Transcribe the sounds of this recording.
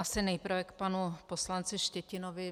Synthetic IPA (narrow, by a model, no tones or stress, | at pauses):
asɪnɛjpɾ̩vɛkpanuposlant͡sɪʃcɛcɪnovɪ